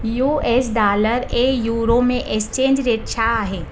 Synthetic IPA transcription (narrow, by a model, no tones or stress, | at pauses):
juːes̬ɖaːləɾeːjuːɾomẽʔɪkst͡ʃẽːɲd͡ʒɾet̪ʃʰaɦɛː